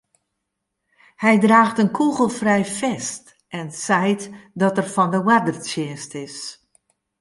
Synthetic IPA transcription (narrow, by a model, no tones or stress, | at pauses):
hɛjdraːxtənkʰuɣəlˠfrɛjfɛst | ʔɛnsɛjtdɔtərfɔndəwadərtjɪːstɪs